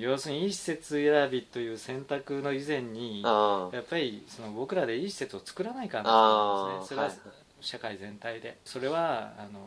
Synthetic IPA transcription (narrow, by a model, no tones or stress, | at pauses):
jo̞ːsɨɲ̟iiɕi̥se̞t͡sɨeɾabʲit̪ːo̞jɯ̟ːsẽ̞nt̪akɯ̟no̞izẽ̞ɲ̟ːijapːaɾʲiso̞no̞bo̞kɯ̟ɾad̪e̞iɕi̥se̞t͡sɨo̞t͡sɨ̥kɯ̟ɾanaikãn | soɾea | ɕakaizẽ̞nt̪aid̪e̞so̞ɾe̞βaano̞